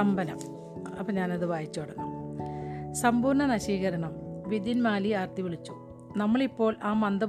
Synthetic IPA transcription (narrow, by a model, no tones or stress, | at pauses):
ɐmbɐnɐ̰m | ɐ̰pːoːɲaːnɐðɨʋaːjit͡ɕːuɽɐnːṵ | sɐmbuːɳɐnɐɕiːɣɐɾɐɳɐmʋid̪jinmaːliaːrt̪iʋiɭit͡ɕːu | nɐmːɐɭipːo̞ːɭaːmɐnd̪ɐ